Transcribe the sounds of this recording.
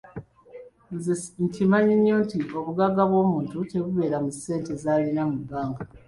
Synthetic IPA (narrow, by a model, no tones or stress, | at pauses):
ntʰimaɲiɲːoːntiʔo̞βuɡaɡaβwo̞ːmuːntute̞βuβe̞ːɾamuse̞ːntezaːlinamubːaːŋɡa